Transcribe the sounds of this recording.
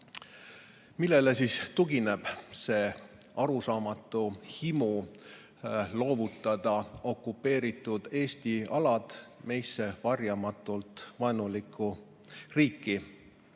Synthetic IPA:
milːe̞le̞sist̪uɡine̞b̥se̞ː | ɑɾusɑːmɑt̪ːˑuhimu | lo̞ːvut̪ˑːɑd̪̥ɑo̞kːˑupːe̞ːɾit̪ːˑud̪̥e̞ːst̪iɑlɑd̪̥me̞jsːe̞vɑrjɑmɑt̪ːˑult̪ˑvɑenulikʰːˑu | riːkːi

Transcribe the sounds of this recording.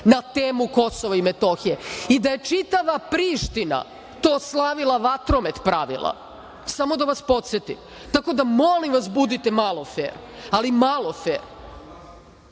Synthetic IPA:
nat̪eːmuko̞soʋaimet̪oxijeid̪aje̞t͡ʂit̪aʋapɾiːʃt̪ina̰ | t̪oːslˠaʋilˠaʋat̪ɾo̞met̪pɾaʋḭlˠa̰ | samo̞d̪aʋaspo̞t̪set̪ḭm | t̪ako̞d̪amo̞limʋas̬bud̪it̪emaːlˠofḛːɾ | alimaːlˠo̞fḛːɾ

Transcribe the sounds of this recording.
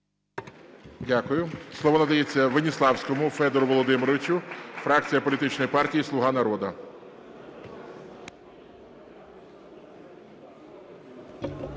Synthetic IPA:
dʲakʊjʊslˠɔʋɔnɐd̪ɐjet͡sʲːɐʋenʲislˠɑwsʲkɔmʊfɛd̪ɛɾʊʋɔlˠɔd̪ɪmɪɾɔʋʲɪt͡ʃʊfɾɑk̚t͡sʲijɐpɔlʲit̪ɪt͡ʃnɔjpɑrtʲijislˠʊɦɑnɐɾɔd̪ɐ

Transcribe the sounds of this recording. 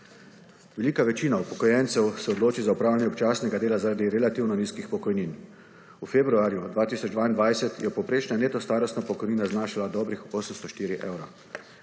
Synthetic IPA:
ʋɛliːkaʋɛt͡ʃiːnaupɔkɔjɛnt̪sɛwsɛɔd̪loːt͡ʃizaupɾaːwlʲanʲjɛɔpt͡ʃaːsnɛɡad̪eːlazaɾaːd̪iɾɛlat̪iwnɔniːskixpɔkɔjniːn | ufebɾuaːɾjud̪ʋaːt̪iːsɔd͡ʒd̪ʋaːind̪ʋajsɛt̪jɛpɔwpɾeːt͡ʃnaneːt̪ɔst̪aːɾɔst̪napɔkɔjniːnaznaːʃilad̪ɔːbɾixoːsəmst̪ɔʃt̪iːɾiʔeːwɾa

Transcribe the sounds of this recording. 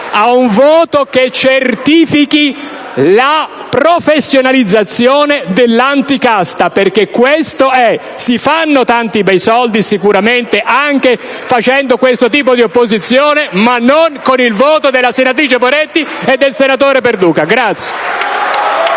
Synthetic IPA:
auɱvɔːt̪oket͡ʃːert̪iːfiki | la | pɾofesːjonalid̪zːat̪sːjɔːned̪elːant̪ikast̪aperk̟ekːwest̪oɛ | sifanːot̪ant̪ibɛjsɔld̪isikuɾament̪eʔaŋk̟e | fat͡ʃɛnd̪okwest̪ot̪̬iːp̬od̪iopːozit̪sːjɔːnemanːoŋkonilvoːt̪od̪elːasenat̪̬ɾiːt͡ʃepoɾet̪ːied̪ːelsenat̪oːɾep̬erd̪uːkaɡɾat̪sje̥

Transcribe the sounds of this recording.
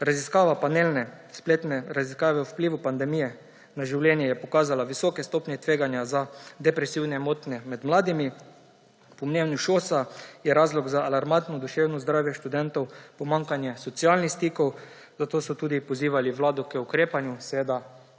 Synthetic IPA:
ɾaziskaːʋapanelnɛ | spleːt̪nɛɾaziskaːʋɛwwpliːʋupand̪ɛmijɛ | naʒiwljɛnjɛjɛpɔkaːzalaʋisɔːkɛst̪oːpnʲjɛt̪ʋeːɡanjazad̪ɛpɾɛsiwnɛmoːt̪nɛmɛd̪mlaːd̪imi | pɔmneːwnjuʃosajɛɾazlɔɡzaːlaɾmant̪nɔd̪uʃewnɔzd̪ɾaːwjɛʃt̪ud̪ɛnt̪ɔwpɔmaŋkanjɛsɔt̪sialnixst̪iːkɔw | zat̪oːsɔt̪uːd̪ipɔziːʋaliwlaːd̪ɔkəukɾeːpanjusɛʋeːd̪a

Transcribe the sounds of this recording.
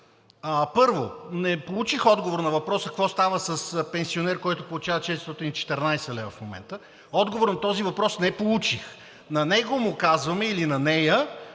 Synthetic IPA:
əpɤɾvonɛpolˠut͡ʃixɔd̪ɡovoɾnɐvɐpɾɔsəkvɔst̪avəsɐspɛnsionɛɾkɔjt̪ʊpolˠut͡ʃavət͡ʃɛt̪ɾist̪ɔt̪init͡ʃɛ̥t̪ɛɾnajsəlɛvəfmomɛ̰nt̪ə | ɔd̪ɡovoɾnɐt̪ɔzivɐpɾɔsnɛpolˠut͡ʃix | nɐnɛɡomʊkazvɐmɛilinɐnɛjə

